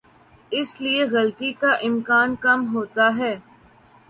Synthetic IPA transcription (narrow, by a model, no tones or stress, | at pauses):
ɪslieɣɐlt̪ikaʔɪmkaːnkɐmɦoːt̪aɦɛː